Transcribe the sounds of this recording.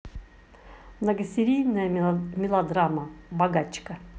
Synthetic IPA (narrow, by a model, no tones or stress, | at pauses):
mnəɡəsʲɪɾʲijnəjəmʲɪlˠɐd̪ɾaməbɐɡat͡ɕkə